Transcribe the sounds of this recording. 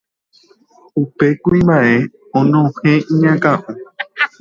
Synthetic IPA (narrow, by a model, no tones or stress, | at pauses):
upe̞kuĩmbaʔe̞ | õnõhẽʔĩɲãkãʔũ